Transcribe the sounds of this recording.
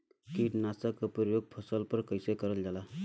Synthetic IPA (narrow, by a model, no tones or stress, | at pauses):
kiːʈnasakəpəɾjoɡ̚pʰəsəlpəɾkəjsekəɾəld͡zala